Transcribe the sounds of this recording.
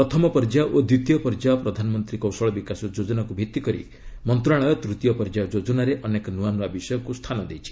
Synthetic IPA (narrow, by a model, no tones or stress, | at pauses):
pɾɔt̪ʰɔmɔpɔɾd͡ʒaʔod̪ɾit̪ijɔpɔɾd͡ʒaɔpɾɔd̪ʱanɔmɔnt̪ɾikɔwsɔɭɔbikasɔd͡ʒod͡ʒɔnakubʱit̪ːikɔɾḭ | mɔnt̪ɾaɽ̃ɔjɔt̪ɾut̪ijɔpɔɾd͡ʒaɔd͡ʒod͡ʒɔnaɾeʔɔnekɔnuanabisɔjɔkust̪ʰanɔd̪ejt͡ʃʰi̥